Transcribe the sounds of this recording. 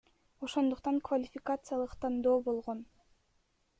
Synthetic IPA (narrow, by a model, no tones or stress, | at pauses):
o̞ʃo̞nd̪uqt̪ɑŋkvalʲɪfʲɪkat̪sɨjalˠɯqt̪and̪oːbo̞lˠʁo̞n